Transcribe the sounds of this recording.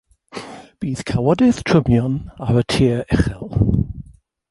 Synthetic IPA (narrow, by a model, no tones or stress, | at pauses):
b̥iːθkʰawɔdɪθtʰɹ̥əmjɔnaɹətʰiəɹɛχɛlˠ